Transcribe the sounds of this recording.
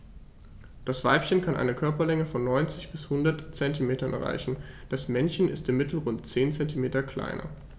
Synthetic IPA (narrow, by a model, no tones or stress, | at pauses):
d̥asv̥a̰ɪpçənkʰanʔa̰ɪnəkʰœɐpɐlɛŋəfɔnːɔʏnt͡sɪçb̥ɪshʊndɐtt͡sɛntimeːtɐnʔɛ̰ɐʁa̰ɪçn̩ | d̥asmɛnçən̩ɪ̰stɪmɪtl̩ʁʊntt͡seːnt͡sɛntimeːtɐkl̥a̰ɪnɐ̰